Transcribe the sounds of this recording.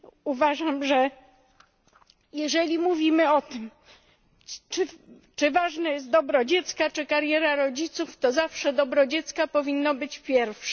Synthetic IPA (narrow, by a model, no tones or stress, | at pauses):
uvaʐamʐɛ | jɛʐɛlʲimuvʲimɘɔt̪ɘm | t͡ʂɘ | t͡ʂɘvaʐnɛjɛst̪d̪ɔbɾɔd͡ʑɛt̪skat͡ʂɘkaɾjɛɾaɾɔd͡ʑit̪suft̪ɔzafʂɛd̪ɔbɾɔd͡ʑɛt̪skapɔvʲinːɔbɘt͡ɕpʲjɛɾfʂɛ